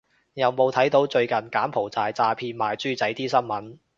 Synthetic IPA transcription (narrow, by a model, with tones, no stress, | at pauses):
jɐ˨wmo˨˧wt̪ʰɐ˨˥jt̪o˨˥wt͡ʃɵ˧ɥkɐ˨nkaː˨˥mpʰo˨˩wt͡saː˨˧jt͡saː˧pʰiː˧nmaː˨jt͡syː˥t͡sɐ˨˥jt̪iː˥sɐ˥nmɐ˨˥n